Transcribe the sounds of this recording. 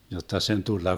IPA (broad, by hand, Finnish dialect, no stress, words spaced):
jotːɑ sen tulːɑ